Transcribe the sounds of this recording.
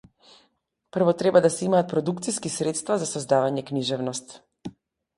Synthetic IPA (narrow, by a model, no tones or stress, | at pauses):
pr̩vɔt̪ɾɛbad̪asɛimaːt̪̚pɾɔd̪ukt̪siskisɾɛt̪st̪vazasɔzd̪avaɲɛkniʒɛvnɔst̪